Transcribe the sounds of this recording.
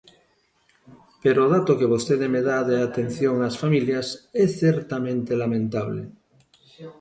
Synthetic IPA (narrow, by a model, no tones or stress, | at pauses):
peɾoːðat̪okeβost̪eðemeðaðeat̪en̟θjoŋasfamiljasɛθeɾt̪amẽnt̪elamẽnt̪aβlḛ